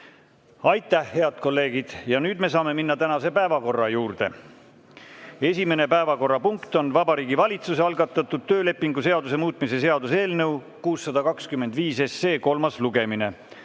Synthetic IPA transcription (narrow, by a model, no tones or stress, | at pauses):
ɑjt̪ːˑæhːe̞ɑd̪̥ko̞lːe̞ːɡ̥id̪̥jɑnyːd̪me̞s̬ɑːme̞minːɑt̪ænɑse̞pæevɑko̞rːɑjuːrd̪̥e̞̰ | e̞sʲime̞ne̞pæevɑko̞rːɑpuŋkt̪o̞nvɑbɑɾiːɡivɑlʲit̪suseɑlɡɑt̪ːˑɑt̪ːˑud̪̥̚t̪øːle̞pːiŋɡuse̞ɑd̪use̞muːt̪ˑmise̞se̞ɑd̪use̞ːlnɤ̞w | kuːsːɑd̪̥ɑkɑkskymːe̞nd̪viːse̞sːeːko̞lmɑsluɡ̥e̞mine̞